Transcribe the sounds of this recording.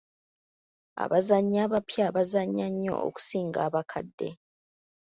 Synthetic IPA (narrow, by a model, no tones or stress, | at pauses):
a̰βazaɲːaːβapjaːβazaɲːaɲːo̞̰ʔo̰ku̥siːŋɡaːβakʰadːe̞̰